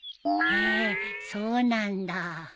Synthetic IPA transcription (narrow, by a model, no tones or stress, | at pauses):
esonand̪a